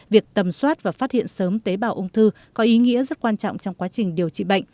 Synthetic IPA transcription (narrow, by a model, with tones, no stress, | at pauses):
vi˨˩ək̚t̪ə˨˩mswaː˦˥t̚vaː˨˩faː˦˥t̚hḭ˧˨ənsəː˨˦mt̪e˨˦ɓaː˨˩wʔə˧wŋ͡mt̪ʰɨ˧ | kɔ˨˦ʔi˨˦ŋḭ˧˥əzə˦˥t̚kwaː˧nt͡ɕɔ̰˧˨ŋ͡mt͡ɕɔ˧wŋ͡mkwaː˨˦t͡ɕï˨˩ŋ̟ɗi˨˩əwt͡ɕḭ˧˨ɓa̰˧˨jŋ